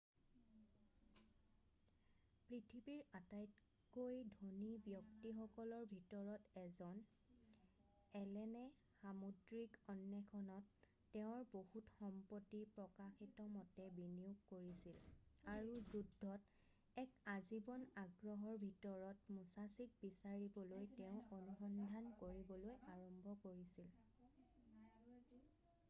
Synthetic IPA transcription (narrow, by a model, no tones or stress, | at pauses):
pɹitʰibiɹatajt | kojdʱonibjɔk̚tixɔkɔlɔɹbʱitɔɹɔtɛzɔn | ɛlɛnɛxamodɹikɔnːɛkʰɔnɔtː | ɛʊ̃ɹbohutxɔmpɔtːipɹɔkaxitɔmɔtɛbiniuɡkoɹisilaɹuzudʱːɔt | ɛkazibɔnaɡɹɔɦɔɹbʱitɔɹɔtmusasik̚bisaɹibɔlojteʊ̃onuxɔndʱankoɹibɔlojaɹɔmbʱɔkoɹisil